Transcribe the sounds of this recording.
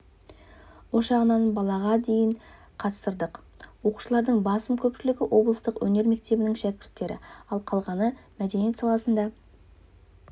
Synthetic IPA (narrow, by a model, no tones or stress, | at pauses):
woʃɑʁənɑnbɑlˠɑʁɑd̪e̞jɪɴ | qʰɑt̪ə̥st̪əɾd̪əq | wo̞qu̥ʃəlˠɑɾd̪əɴbɑsəmkʲʰɵpʃɪlɪɡʲɪwo̞blˠəst̪əqwɵne̞ɾme̞k̚t̪e̞bɪnɪŋʃækʲɪɾt̪ːe̞ɾɪ̰ɑlˠqʰɑlˠʁɑnəmæd̪enijet̪sɑlˠɑsənd̪ɑ